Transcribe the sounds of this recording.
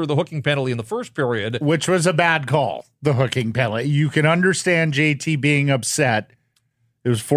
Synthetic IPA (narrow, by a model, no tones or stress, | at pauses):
ə˞ðəɦʊkɪ̃ŋpɛnl̩ˠtiɨ̃nðəfɜ˞s̚pʰɪɹiɨd̚wɪt͡ʃwʌzəbæd̚kʰɔ̰lˠ | ðəɦʊkɪ̃ŋpʰɛnl̩ˠijɨkɨ̃ñʌ̃ndə˞stæ̃nd͡ʒeɪtʰibiɪ̃ŋʌpsɛɾ | ɨt̚wʌz̥fɔ